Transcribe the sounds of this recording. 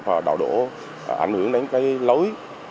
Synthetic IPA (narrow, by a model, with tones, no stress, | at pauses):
vaː˨˩ɗa̰ː˧˩wɗo̰˧˩˨ | ʔa̰˧˩jŋ̟hɨ˧˩əŋɗa˨˦ŋkaː˨˦jlə˨˦j